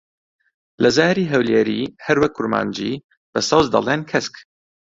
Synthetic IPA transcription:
lɐzaːɾiːɦɛwleɾiːhɐɾwɐk̚kʊɾma̰ːnd͡ʒḭː | b̥ɐsɐwzd̪ɐ̰lˠeːnkʰɛsk

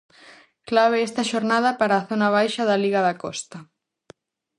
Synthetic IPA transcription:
klaβeɛst̪ɐʃoɾnaðɐpaɾaːθonaβ̞ajʃɐðɐliɣɐðɐkɔ̰st̪ɐ

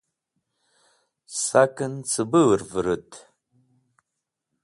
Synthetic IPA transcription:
sakʰʼɨnt͡sʰɨbɨrvɨɾɨtʼʰ

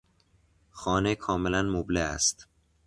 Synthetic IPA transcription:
xɒːnekʰɒːmelænmobleæ̰st̪

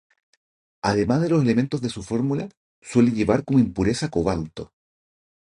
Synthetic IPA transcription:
aðe̞mazðe̞los̬e̞le̞ment̪o̞zðesufo̞ɾmula | swe̞leʝe̞βaɾkomoimpuɾe̞sakoβalt̪o

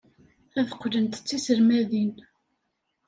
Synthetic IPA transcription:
æðəqːlənt̪t͡sːisəɾmæðin

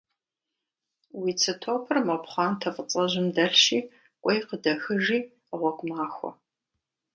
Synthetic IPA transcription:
wit͡sʰɐtʰoːpʰɨrmɐpχɑːntʰɐfʼət͡sʼɐʑɪmdɐɬʃiː | ʔʷʼɔjqədɐxɨʒiː | ʁʷɔɡʷʼmaːxʷɔ̰

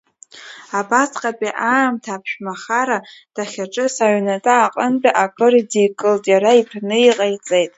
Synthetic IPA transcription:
abasqʼapʼiʔamtʰaːpʰʃᶣmaχaɾad̥aχʲaʈ͡ʂʼɨsaɥnatʼaːqʼənt͡pʼaʔakʼɨridijkʼɨltʼjaɾaipʰnɨiqʼajt͡sʼejtʼ

